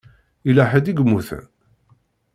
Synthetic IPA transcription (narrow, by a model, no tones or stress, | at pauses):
ilaħəd̪iɡmːuθæ̰n